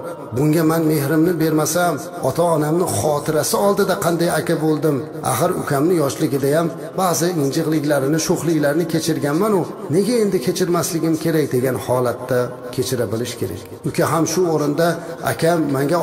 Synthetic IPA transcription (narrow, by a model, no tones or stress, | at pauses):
bʊŋɡʲamanme̞hɾɪmnɪbe̞ɾmasam | ɒt̪ʰaːnamnɪχɒt̪ʰɪɾasɪɒlˠd̪ɪd̪aqʰɑnd̪ajakʲabolˠd̪ɪm | a̰χɨɾʊ̰kʲʰamnɪjɒʃlɪɡʲɪd̪ajam | bazɪɪnd͡ʒɨʁlˠɪkʲlaɾɪnɪʃoχlˠɪkʲlaɾnɪkʲʰe̞t͡ʃʰɪɾɡʲanmanʊne̞ɡʲae̞nd̪ɪkʲʰe̞t͡ʃʰɪɾmaslɪɡʲɪmkʲʰe̞ɾakʲd̪e̞ɡʲanhɒlat̪ʰːa | kʲʰe̞t͡ʃʰɪɾabɪlɪʃkʲʰe̞ɾa̰kʲ | ʊkʲaɦamʃʊoɾɪnd̪aa̰kʲʰamːaŋɡʲa